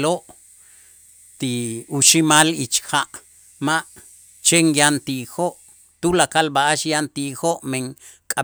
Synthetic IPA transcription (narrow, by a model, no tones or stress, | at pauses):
loʔ | t̪iuʃimalit͡ʃxaʔ | maʔ | t͡ʃeŋjant̪ixoʔ | t̪ulakalbaʔaʃjant̪ixoʔmeŋ | kʼa